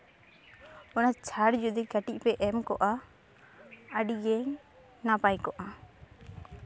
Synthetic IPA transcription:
ɔnat͡ʃʰaɽd͡ʒud̪iɡaʈic̚pɛʔɛmkɔʔa | əɖiɡɛŋ | napajkɔʔa

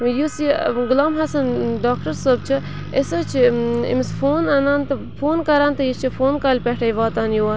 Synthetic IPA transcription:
jusiɡulaːmɦɐsɐnɖaːkʈɐɾsɐːb̚t͡ʃʰi | esɐt͡ʃʰiḭmispʰoːnɐnaːnt̪ɐ | pʰoːnkɐɾaːnt̪ɐjit͡ʃʰifʰoːnkaːlʲpɐʈʰɐjʋaːt̪aːnjoːɐ

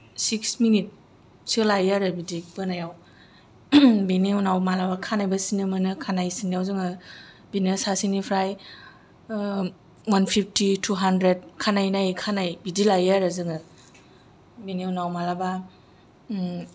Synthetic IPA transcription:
siksminit̚ | sɯlajaɾɯbidib̥ɯnajaw | beniwnawmalabakʰanajbasinɯmɯnɯkʰanajsinijawzɯŋɯ | binɯsasinipʰɾaj | wanpʰip̚ʰtitʰuɦandɾed̚kʰanajnajkʰanajbidilajaɾɯzɯŋɯ | beniwnawmalaba

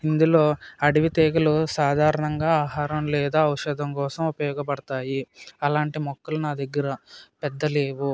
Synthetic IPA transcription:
ind̪ulo̞ːɐɽiʋit̪eːɡɐlusaːd̪ʱaːɾɐɳɐŋɡaːaːɦaːɾɐmlɛːd̪aːɐwʂɐd̪ʱɐmkɔːsɐmupɐjɔːɡɐpɐɽɐt̪aːjiɐlaːɳʈimɔkːɐlunaːd̪ɐɡːɐɾɐpɛd̪ːɐleːʋu

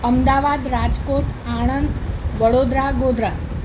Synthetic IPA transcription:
əmd̪aʋad̪ɾad͡ʒkoʈaɳ̃ənd̪ʋəɽod̪ɾaɡod̪ɾa

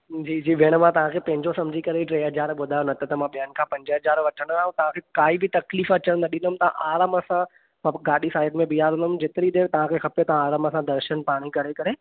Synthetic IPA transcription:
d͡ʑiːd͡ʑiːʋeɽ̃mãt̪ɐʋ̤ãːkʰeːpɐ̃ɦɪ̃ɲd͡ʑosɐmd͡ʑʱikɐɾeiʈɾeːɦɐzaːɾɓʊd̪ʱaːjonɐt̪ʰat̪ɐmãɓijaːnɪ̆kʰãːpɐ̃ɲd͡ʑəɦɐzaːɾʋɐʈʰəɽ̃aːɦũt̪ɐʋ̤ãkʰeːkaːibɪt̪ɐkliːfɐt͡ɕəɽ̃nd̪aɗɪ̃nd̪əmt̪ɐã̰ʔaːɾəmɐsã | mɡaːɗisaːɪʈmẽbiaːɾ̃nd̪əmd͡ʑɪt̪ɪɾid̪eːɾt̪ɐʋ̤ãkʰexʰɐpjot̪ɐʋ̤ãaːɾəmɐsãd̪ɐɾʃənpaːɽ̃ikɐɾekɐɾe

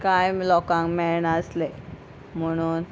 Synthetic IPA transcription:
kajmlɔkãŋkmɛɭɳəsle | m̤əɽ̃uːn

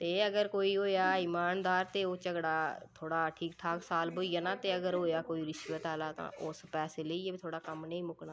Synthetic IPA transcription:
t̪eːəɡəɾkoːiːɦoːjaːɪːmaːnd̪aːɾt̪eːoːt͡ʃəɡɽaːt̪ʰoːɽaːʈʰiːkʈʰaːksaːlboːijaːnãːt̪eːəɡəɾɦoːjaːkoːiːɾɪʃʋət̪aːlaːt̪ã̰ːʔʊspɛːseːleiːeːbiːt̪ʰoːɽaːkəmnəĩːmʊkɳaː

